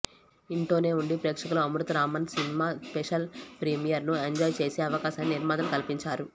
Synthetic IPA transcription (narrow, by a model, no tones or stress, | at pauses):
iɳʈo̞ːne̞ːuɳɖipɾeːkʂɐkuluɐmɾut̪ɾaːmɐnsinimaːspeʂɐlpɾimijɐɾnueɲd͡ʒɔːjt͡ʃe̞ːseːɐʋɐkaːʃaːnːiniɾmaːd̪ɐmkɐlipiɲt͡ʃaːɾu